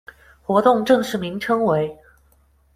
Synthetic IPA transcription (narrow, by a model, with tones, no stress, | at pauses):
xwɔ˧˥t̪ʊ˥˧ŋʈ͡ʂɤ˥˧ŋʂɻ̩˥˩mi˧˥ŋʈ͡ʂʰɤ˥ŋwe˧˥ɪ